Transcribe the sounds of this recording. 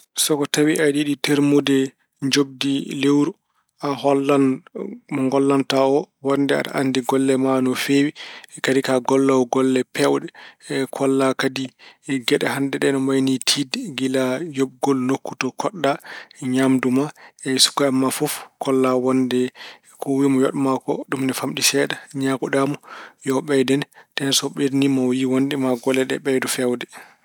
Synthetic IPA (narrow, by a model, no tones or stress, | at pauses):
sɔkɔtawiʔaɗiɗiteɾmudɛ | ɲd͡ʒob̚dilewɾu | ʔahɔlːanmɔŋɡɔlːantaɔwɔndɛa̰ɗa̰ʔandiɡɔlːɛmanɔfewikadikaɡɔlːawɡɔlːɛpɛwɗɛkʰɔlːakadiɡɛɗɛhandɛɗɛnɔmajnitʰidɡilajob̚ɡɔlnokːu̥tɔkʰɔɗːaɲamdumaɛsu̥kaamːafɔfkʰɔlːawɔndɛ | kʰɔwimɔjɔ̰ɗmakɔ̰ɗumnɛfamɗisɛɗaɲakuɗamɔjɔɓɛjdɛntɛnsɔɓeɾnimawjiwɔndɛmaɡɔlːɛɗɛ̰ɓɛjdufɛwdɛ